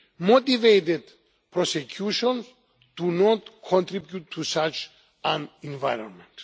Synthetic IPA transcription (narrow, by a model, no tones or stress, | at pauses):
mot̪ivejt̪ed̪ | pʰɾɔsekʰjuʃɔ̃ns | d̪̥unɔtkʰɔ̃nt̪ɾibjutʰːusat͡ʃ | ãnĩnvajɾɔ̰̃nmɛ̃nt